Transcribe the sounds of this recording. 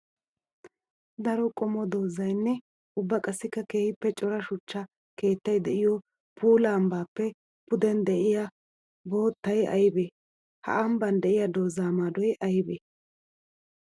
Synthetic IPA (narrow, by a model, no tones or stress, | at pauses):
d̪ɐɾɔkʼɔmɔd̪o̞ːzɐjnːɛ | ʊbːɐkʼɐsːɪkːɐkeːhɪpːɛt͡ʃʼɔɾɐʃʊt͡ʃːɐ | ke̞ːt̪ːɐjd̪ɛʔɪjɔ | pʰuːlaːmbaːpːɛ | pʊd̪ɛnd̪ɛʔɪjɐ | bo̞ːt̪ːɐjɐ̰jbeː | hɐ̰ʔɐmbɐnd̪ɛʔɪjɐd̪o̞ːzːaːmaːd̪ɔjɐjbeː